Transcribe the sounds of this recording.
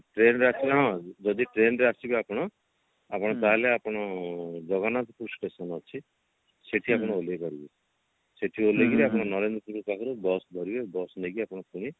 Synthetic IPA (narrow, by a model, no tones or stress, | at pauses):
ʈɾenɾeasiɦɔ̃d͡ʒɔd̪iʈɾenɾeasibiapɔɽ̃ɔ | apɔɽ̃ɔt̪aɦeleapɔɽ̃ɔd͡ʒɔɡanat̪ɔpuɾusʈesɔnɔt͡ʃʰi | seʈʰiapɔɽ̃ɔolekɔɾibe | seʈʰioleɡiɾeapɔɽ̃ɔnɔɾend̪ɾɔpuɾukakʰɔɾubɔsd̪ʱɔɾibebɔsneɡiapɔɽ̃ɔpuɽ̃i